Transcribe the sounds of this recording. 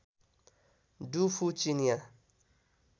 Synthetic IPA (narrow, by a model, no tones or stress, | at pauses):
dufut͡ʃinĩa